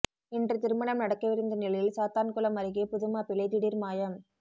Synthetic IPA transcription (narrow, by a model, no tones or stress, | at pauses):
ɪndrɯt̪ɪɾɯmɐɳɐmnɐɽɐkːɐʋɪɾɯnd̪ɐnɪlɐjɪlsaːt̪aːnkʊlɐmɐɾɪɣeːpʊðɯmaːpɪɭɐɪt̪ɪɽiːɾmaːjɐm